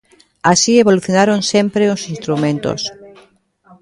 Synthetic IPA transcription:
asieβoluθjonaɾonsẽmpɾeosinst̪ɾumẽnt̪o̰s

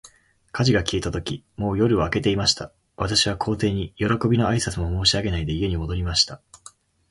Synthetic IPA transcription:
kʰaʑiɡakʲiet̪at̪o̞kʲi | mo̞ːjo̞ɾɯ̟oake̞t̪e̞imaɕi̥t̪a | βat̪aɕiβ̞akʰo̞ːt̪e̞ːɲ̟ijo̞ɾo̞ko̞bʲino̞aisat͡sɨmo̞mo̞ːɕiaɡe̞naid̪e̞ie̞ɲ̟imo̞d̪o̞ɾʲimaɕi̥t̪a

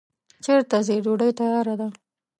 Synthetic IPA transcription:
t͡ʃeɾt̪azeɖoɖəjt̪ajɑɾad̪a

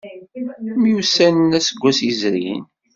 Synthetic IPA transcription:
mjusænnæsəɡʷːæsizɾḭn

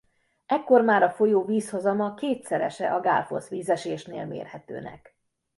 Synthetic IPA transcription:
ɛkːo̞rmaːɾɒfo̞joːviːshozɒmɒkeːt̪sɛɾɛ̰ʃɛ̰ʔɒɡa̰lfo̰sʋiːzɛʃeːʃnḛːlmḛːrhɛt̪ø̰ːnɛ̰k

